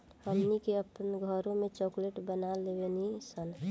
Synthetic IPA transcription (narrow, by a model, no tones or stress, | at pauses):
həmnikeəpənɡʱəɾõmẽt͡ʃɔkleʈbənalebenisən